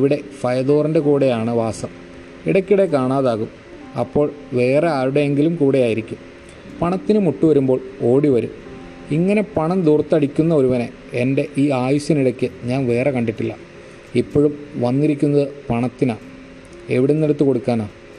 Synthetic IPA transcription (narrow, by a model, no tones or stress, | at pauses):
ʋiɽe̞fɐjɐðoːrɐnde̞kuːɽejaːɳɨʋaːsɐm | iɽɐkʲːiɽekaːɳaːðaːɣum | ɐpːo̞ːɭʋe̞ːre̞aːɾuɽe̞eŋɡilumkuːɽejaːjiɾikʲːum | pɐɳɐt̪ːinɨmuʈːuʋɐɾumbo̞ːɭo̞ːɽiʋɐɾṵm | iŋːɐne̞pɐɳɐmd̪urt̪ːɐɽikʲːunːɐo̞ɾuʋɐne | ende̞ʔiːaːjuɕjɐniɽɐkʲːɨɲaːnʋe̞ːre̞kɐɳɖiʈːilːɐ̰ | ipːoːɻumʋɐnːiɾikʲːunːɐðɨpɐɳɐt̪ːinaːɳ | eʋiɽenːiɽɐt̪ːɨko̞ɽukːaːnaːɳ